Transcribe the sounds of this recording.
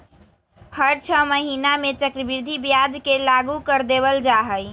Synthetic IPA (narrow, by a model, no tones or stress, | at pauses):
hʰəɾt͡ʃʰəməɦinamet͡ʃəkɾəbiɾd̪ʱibjad͡ʒkelaɡukəɾd̪eβəld͡ʒaɦəj